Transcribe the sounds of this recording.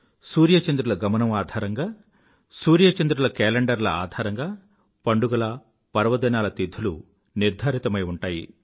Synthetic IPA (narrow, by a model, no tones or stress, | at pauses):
suːɾjɐt͡ʃɐnd̪ɾulɐɡɐmɐnɐmaːd̪ʱaːɾɐŋɡaː | suːɾjɐt͡ʃɐnd̪ɾulɐkɛːleɳɖɐɾlɐa̰ːd̪ʱaːɾɐŋɡaː | pɐɳɖuɡɐlɐ | pɐɾɐʋɐd̪ɐnaːlɐt̪id̪ʱːulu | niɾd̪ʱaːɾit̪ɐmɐjuɳʈaːjḭ